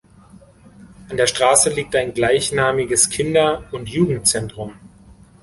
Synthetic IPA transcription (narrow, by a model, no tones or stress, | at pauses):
ʔandeːɐʃtʁ̥aːsəliːk̚taɪnɡlaɪçnaːmɪɡəskʰɪndɐʊntjuːɡŋ̩tt͡sɛntʁ̥ʊm